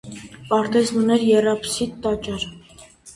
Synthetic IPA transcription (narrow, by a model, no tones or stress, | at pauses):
pɑɾt̪ɛznunɛɾjɛrɑpsit̪ːɑt͡ʃɑɾ